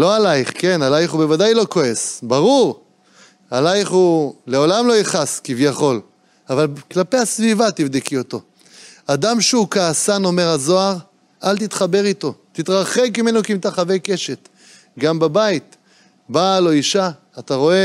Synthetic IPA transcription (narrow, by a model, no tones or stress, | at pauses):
lo̞alaiχke̞nalajχube̞vadajlo̞ko̞e̞sbaʁuʁ | alajχule̞o̞lamlo̞iχaskivjaχo̞l | avalklapejasvivat̪ivd̪ekio̞t̪o̞ | ad̪amʃeukaːsano̞me̞ʁazo̞aʁ | alt̪it̪χabe̞ʁit̪o̞t̪it̪ʁaχekimenokimt̪aχave̞jke̞ʃe̞t̪ | ɡambabait̪ | balo̞iʃaː | t̪aʁo̞e̞